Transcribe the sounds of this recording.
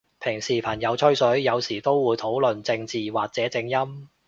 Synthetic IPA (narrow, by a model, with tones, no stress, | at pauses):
pʰɪ˨˩ŋsiː˨˩pʰɐ˨˩njɐ˨˧wt͡ʃʰɵ˥ɥsɵ˨˥ɥjɐ˨˧wsiː˨˩t̪o˥wwuː˨˧jt̪ʰo˨˥wlɵ˨nt͡sɪ˧ŋt͡siː˨waː˨k̚t͡sɛː˨˥t͡sɪ˧ŋjɐ˥m